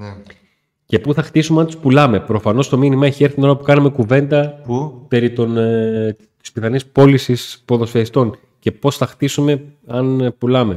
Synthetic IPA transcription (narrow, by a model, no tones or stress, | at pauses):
ce̞puθɐxt̪isumeɐnt̪uspulɐme̞pɾo̞fɐno̞st̪o̞minimɐeçieɾθinoɾlɐpukɐnume̞kuve̞nd̪ɐpe̞ɾit̪on | t̪i̥spiθɐnispo̞lisispo̞ðo̞sfeist̪o̞ŋ | ce̞po̞sθɐxt̪isume̞ɐnpulɐme̞